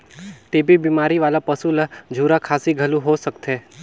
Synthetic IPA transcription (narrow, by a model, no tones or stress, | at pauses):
ʈeːbibimaːɾiʋaːlapəsuləd͡ʒʱuːɾakʰaːsiɡʱəlũɦosəkt̪ʰeː